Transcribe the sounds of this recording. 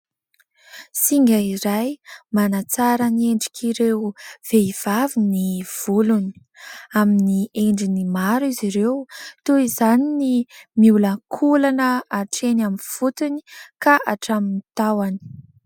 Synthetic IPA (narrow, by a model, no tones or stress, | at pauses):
siŋɡaiɾajmanat͡saɾəneɳɖ͡ʐi̥kʰiɾewv̥eiv̥aviniv̥uluni̥ | aminieɳɖ͡ʐinimaɾiziɾewt̪uizaninimiulakʰulanəaʈ͡ʂenamiv̥ut̪unikaʔaʈ͡ʂaminit̪awani̥